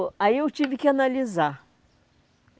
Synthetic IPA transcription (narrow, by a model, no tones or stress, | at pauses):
aiewt͡ʃivɪkɪanaliza